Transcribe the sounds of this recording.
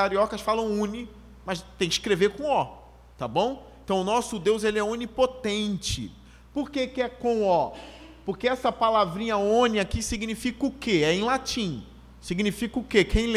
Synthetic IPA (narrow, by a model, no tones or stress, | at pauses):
aɾiɔkɐsfalɐ̃w̃ũni | mɐst̪ẽj̃ɪʃkɾeveɾkõɔ | t̪abõw̃ẽt̪ɐ̃w̃ʊnɔsʊd̪ewzelɪɛõnipot̪ẽnt͡ʃɪ̰ | poɾkekɪɛkõɔ | pʊɾkeɛsɐpalavɾĩɲɐõniakisiɡnifikɐʊkeɛẽj̃lat͡ʃĩ | siɡnifikɐʊkekʰẽj̃l